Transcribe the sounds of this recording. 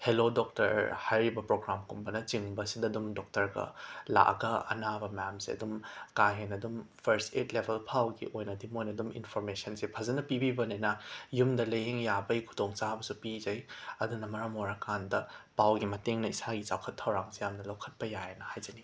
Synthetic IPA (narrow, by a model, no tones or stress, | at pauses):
helodok̚tɐ̰ɾhajɾibɐpɾoɡɾamkumbɐnɐt͡ʃiŋbɐsidɐdumdok̚tɐɾɡɐ̰la̰ʔɐ̰ɡɐɐ̰nabɐmɐjamsiɐ̰dumkaɦenɐdumpʰɐɾstetlebʰʱelpʰawɡḭʔojnɐdimojnɐdumḭnpʰoɾmesɐnsipʰɐzɐnɐpibibɐnenɐjumdɐlɐjɦeŋjabɐikʰu̥doŋt͡ʃabɐsupizɐjɐdunɐmɐɾɐmoɾakandɐpawɡimɐteŋnɐisaɡit͡ʃawkʰɐtʰːɐwɾaŋsijamnɐlawkʰɐt̚pɐjajenɐhajzɐni